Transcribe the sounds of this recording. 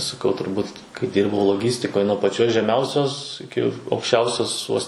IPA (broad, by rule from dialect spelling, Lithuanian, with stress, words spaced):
sɐˈkɐʊ tʊrˈbuːt kɐɪ ˈdʲiːrbɐʊ lˠoːˈɡʲiːsʲtʲɪkoːj nuɔ pɐˈt͡ʃʲoːs ʒʲɛˈmʲɛʊsʲoːs ɪˈkʲɪ ɐʊkʃʲˈt͡ʃʲɛʊsʲoːs ʋoːs